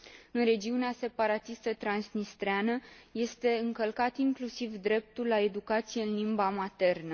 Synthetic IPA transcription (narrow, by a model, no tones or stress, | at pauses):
ɨnɾe̞d͡ʒiunease̞paɾat̪ist̪ət̪ɾansnist̪ɾeanəje̞st̪e̞ɨŋkəlkat̪iŋklusivd̪ɾe̞p̚t̪ulːae̞d̪ukat̪sije̞ɨnlimbamat̪e̞rnə